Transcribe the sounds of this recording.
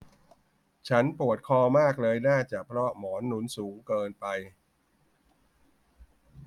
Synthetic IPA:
t͡ɕʰa˦˥npu˨˩ət̪̚kʰɔː˧maː˥˩k̚lɤː˧jnaː˥˩t͡ɕaː˨˩pʰɾɔ˦˥mɔː˩˦nːu˩˦nsuː˩˦ŋkɤː˧npa˧j

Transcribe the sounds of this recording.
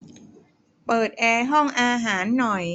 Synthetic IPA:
pɤː˨˩t̪̚ʔɛː˧ɦɔ˥˩ŋʔaː˧ɦaː˩˦nːɔ˨˩j

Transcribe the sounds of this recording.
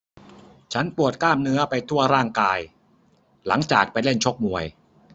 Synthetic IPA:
t͡ɕʰa˦˥npu˨˩ət̪̚klaː˥˩mnɯ˦˥ɐpa˧jt̪ʰu˥˩ɐɾaː˥˩ŋkaː˧j | la̰˩˦ŋt͡ɕaː˨˩k̚pa˧jle˥˩nt͡ɕʰo˦˥k̚mu˨˧əj

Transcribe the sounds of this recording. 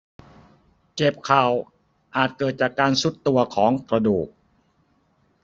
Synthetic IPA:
t͡ɕe˨˩p̚kʰa˨˩w | ʔaː˨˩t̪̚kɤː˨˩t̪̚t͡ɕaː˨˩kːaː˧nsu˦˥t̪ːu˧ɐkʰɔː˩˦ŋkɾa˧duː˨˩k̚

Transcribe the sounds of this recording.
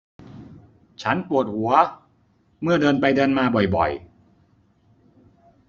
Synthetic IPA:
t͡ɕʰa˦˥npu˨˩ət̪̚hu˩˦ɐ | mɯ˥˩ɐdɤː˧npa˧jdɤː˧nmaː˧bɔ˨˩jbɔ̰˨˩j

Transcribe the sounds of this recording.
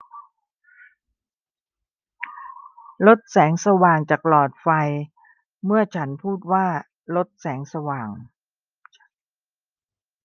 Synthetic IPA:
lo˦˥t̪̚sɛː˩˦ŋsa˧waː˨˩ŋt͡ɕaː˨˩k̚lɔː˨˩t̪̚fa˧j | mɯ˥˩ɐt͡ɕʰa˦˥npʰuː˥˩t̪̚waː˥˩ | lo˦˥t̪̚sɛː˩˦ŋsa˧waː˨˩ŋ

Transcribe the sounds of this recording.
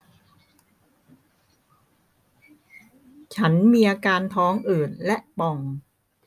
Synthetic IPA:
t͡ɕʰa˦˥nmiː˧ʔaː˧kaː˧nt̪ʰɔː˦˥ŋʔɤː˨˩n̚lɛ˦˥ʔpɔ˧ŋ

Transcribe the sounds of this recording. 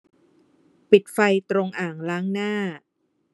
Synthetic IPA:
pi˨˩t̪̚fa˧jt̪ɾo˧ŋʔaː˨˩ŋlaː˦˥ŋnaː˥˩

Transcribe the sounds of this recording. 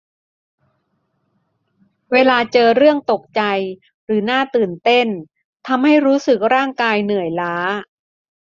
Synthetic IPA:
weː˧laː˧t͡ɕɤː˧ɾɯ˥˩əŋt̪o˨˩k̚t͡ɕa˧j | ɾɯː˩˦naː˥˩t̪ɯː˨˩nt̪e˥˩n | t̪ʰa˧mha˥˩jɾuː˦˥sɯ˨˩k̚ɾaː˥˩ŋkaː˧jnɯ˨˩əjlaː˦˥

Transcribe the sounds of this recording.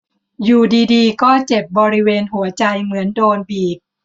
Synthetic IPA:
juː˨˩diː˧diː˧kɔː˥˩t͡ɕe˨˩p̚bɔː˧ɾi˦˥weː˧nɦu˩˦ɐt͡ɕa˧jmɯ˩˦əndoː˧nbiː˨˩k̚

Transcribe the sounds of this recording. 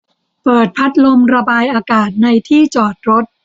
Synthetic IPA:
pɤː˨˩t̪̚pʰa˦˥t̪̚lo˧mɾa˧baː˧jʔaː˧kaː˨˩t̪̚na˧jt̪ʰiː˥˩t͡ɕɔː˨˩t̪̚ɾo˦˥t̪̚

